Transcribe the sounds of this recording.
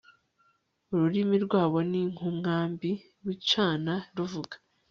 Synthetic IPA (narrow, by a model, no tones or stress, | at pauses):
uɾuɾimiɾɡwaːβo̞niŋ̥humŋaːmbi | ɾwit͡ʃaːnaɾuvuɡḁ